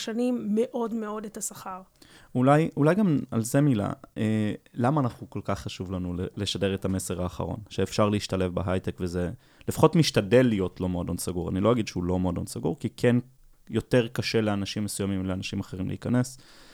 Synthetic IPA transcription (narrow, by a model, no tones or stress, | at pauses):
ʃanimːeʔo̞dmeo̞detasaχaʁulajulajɡama̰lzemila̰elamaːnaχnuko̞lkaχːaʃuvlanuleleʃade̞ʁetame̞se̞ʁaːχa̰ʁo̞̰nʃeːfʃaʁleiʃtale̞fbeɦajtekveze | lefḁχo̞tmiʃtadelːijo̞tlo̞meodonsaɡuʁa̰nilo̞aɡidʃeulo̞meodonsaɡuʁkikʰen | jo̞teʁkaʃe̞leanaʃimːesujamimleanaʃimaχeʁimlʔḛikane̞s